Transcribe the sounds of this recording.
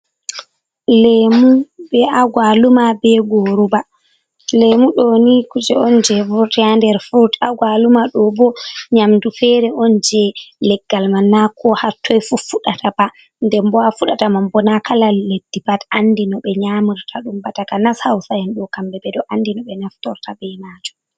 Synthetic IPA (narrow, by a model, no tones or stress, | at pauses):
lemubɛʔaɡwalumabɛɡoɾuba | lemuɗonikud͡ʒɛɔnd͡ʒɛvuɾtjandɛɾfuɾtaɡwalumaɗɔbɔɲamdufɛɾɛʔɔnd͡ʒɛlɛɡːalmanakʰɔhatʰːɔjfufuɗatʰaba | ndɛmbɔafuɗatamambɔnakʰalaledːibatandinɔɓɛɲamiɾtʰaɗumbatakanashawsajɛnɗɔkambɛbɛdɔʔandinɔɓɛnaftɔɾtʰabɛjmad͡ʒɔ